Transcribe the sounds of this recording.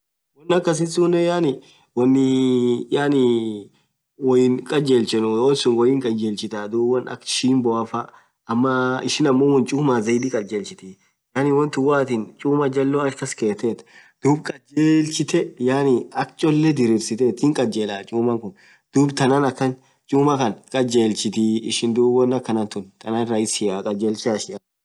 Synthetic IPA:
wɐnːɐkːɐs̬ɪnsunɛjaːnɪ | wɐnːɪjaːnɪ | wɔjɪnkʼɐd͡ʒeːlt͡ʃɛnʊwɔnsʊŋwɔjɪŋkʼɐd͡ʒeːlt͡ʃɪt̪aːd̪uːbwɐnɐ̰kʃiːmbɔafa | ɐmːɐɪʃɪnɐmːoːwɐnt͡ʃʼuːmaːzɐjd̪ikʼɐd͡ʒeːlt͡ʃɪt̪iː | jaːnɪwɐnt̪ʊwaːt̪ɪnt͡ʃʼuːmɐd͡ʒɐlːoɐkːɐskeːt̪et̪ | d̪̥uːbkʼɐd͡ʒeːlt͡ʃɪt̪ɛjaːnɪɐkt͡ʃʼɔlːɛd̪ɪɾɪbsɪt̪eːt̪hɪŋkʼɐd͡ʒeːlaːt͡ʃʼuːmɐŋkʊn | d̪̥uːbt̪ɐnanɐkːɐn | t͡ʃʼuːmɐkɐnkʼɐd͡ʒeːlt͡ʃɪt̪iɪʃɪnd̪uːbɐnːɐkːɐnɐnt̪ʊnt̪ɐnanɾɐɪsɪakʼɐd͡ʒeːlt͡ʃɪɐʃɪa

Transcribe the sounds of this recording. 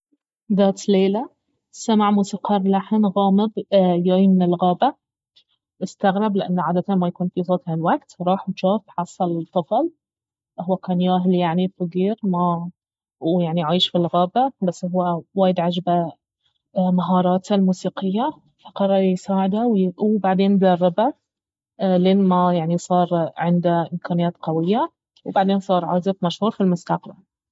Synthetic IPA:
d̪aːt̪leːla | samaʕmuːsiːqɑːɾˤlaħnɣaːmɪbjaːimɪnɪlɣaːba | ʔɪst̪aɣɾɪblɪʔa̰nːʕaːd̪at̪anmajakuːnfisˤɑːt̪halwaɡt̪ɾˤɑːħwʃaːfħɑsˤːɑlt̪ˤːɑfɑl | ʊwːakaːnjaːɦljaʕnifaɡiːɾma | jaʕniʕaːjʃfilɣaːbabasːhʊwːawaːjɪd̪ʕad͡ʒba | maɦɑːɾˤɑːt̪almuːsiːqɪjːa | faqɑɾˤːɑɾˤjsaːʕɪd̪awwbaʕd̪eːnd̪ɑrˤːɪba | leːnmajaʕnisˤɑːɾˤʕɪnd̪aʔɪmkʰaːnɪjaːt̪qawɪjːa | wbaʕd̪eːnsˤɑːɾˤʕaːzɪfmaʃhuːɾˤfilmʊst̪aqbal

